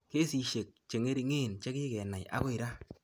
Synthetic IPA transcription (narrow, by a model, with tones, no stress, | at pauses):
ke˦si˨ʃe˨k̚t͡ʃe˨ŋe˦ɾi˧ŋe˦˨nt͡ʃe˦kɪ˦kɛ˨na˨ja̰˦ko˦i˨ɾa˦